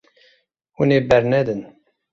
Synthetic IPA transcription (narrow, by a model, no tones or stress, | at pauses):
wuneːbɛɾnɛd̪ɨn